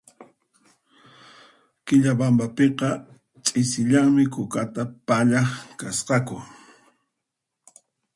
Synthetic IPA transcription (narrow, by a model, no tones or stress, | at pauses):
kɪʎabambapeqɑ | t͡ʃʼɪsɪʎaŋmɪkʊkat̪apaʎaχkasqɑkʊ